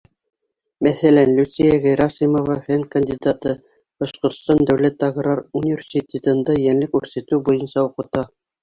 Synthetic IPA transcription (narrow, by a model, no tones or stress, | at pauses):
mæθælænlʲʉt̪sijæʁɘjɾɑsimovɑfænkɐnʲd̪ʲid̪at̪ɤ | b̥ɑʃqŏɾt̪st̪ɑnd̪æwlæt̪ːɑɡrɑɾunʲivʲerʲsʲit̪ʲet̪ɤ̆nd̪ɑjænlɘkʉɾsæt̪ɘwbujɤnsɑuqɤ̆t̪ɑ